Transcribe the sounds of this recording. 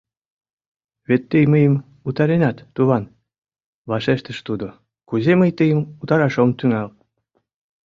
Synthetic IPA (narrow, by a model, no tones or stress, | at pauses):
βet̪ːəjməjəm | ut̪ɑɾenɑt̪ːuβɑn | βɑʃeʃt̪əʃt̪ud̪o | kuzeməjt̪əjəmut̪ɑɾɑʃomt̪yŋɑl